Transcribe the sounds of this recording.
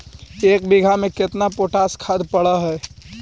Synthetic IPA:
eːk̚bɪɡʱamẽkɪt̪napoːʈaːskʰaːd̪pəɽəɦɛː

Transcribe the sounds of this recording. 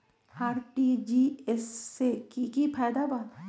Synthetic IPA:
aːɾʈid͡ʒiesekikipʰɛːjd̪aban

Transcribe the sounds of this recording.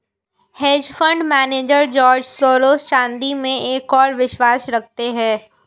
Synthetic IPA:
heːd͡ʒfə̃ɳɖmɛːneːd͡ʒəɾd͡ʒɔːɾd͡ʒsoːɾoːst͡ʃãːnd̪imẽʔeːkɔːɾʋɪʃwaːsɾɐkʰt̪eɦɛ̃ː

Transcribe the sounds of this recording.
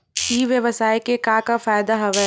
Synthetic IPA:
iʋjɐʋəsaːekekãkafaːjd̪aɦɐʋɛ

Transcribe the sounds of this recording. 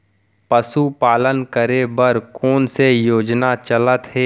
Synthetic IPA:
pəsupaːlənkəɾebəɾkoːnsejoːd͡ʒnat͡ʃələt̪ɦɛː

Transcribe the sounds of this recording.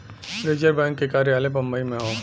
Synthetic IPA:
ɾeːd͡ʒəɾbɛ̃ːŋkːekaːɾjaːlẽpɐ̃mbəimẽɦõː

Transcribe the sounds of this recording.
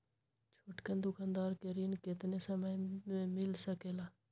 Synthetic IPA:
t͡ʃʰoːʈkənd̪ʊkʰaːnd̪aːɾkeɾiːnkɪt̪nesəməjmẽmɪlsəkeːlaː

